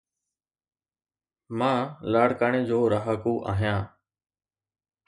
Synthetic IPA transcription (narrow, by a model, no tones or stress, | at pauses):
mãːlaːɽ̤kaːɽ̃eːd͡ʑoːɾaɦəkoːʔa̰ːɦijãː